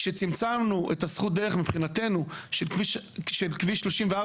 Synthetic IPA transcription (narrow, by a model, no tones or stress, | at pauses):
ʃet͡simt͡samnuʔetasχut̚d̪eʁeχmipχinate̞nuʃiʃʃelkviʃlo̞ʃimvea